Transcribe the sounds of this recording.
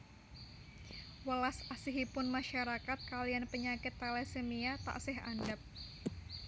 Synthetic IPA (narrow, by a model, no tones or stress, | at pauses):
wəlasasiɦipʊnmaʃaɾakat̪̚kalijanpəɲakɪt̪ːalesəmiat̪a̰ʔsɪɦandap̚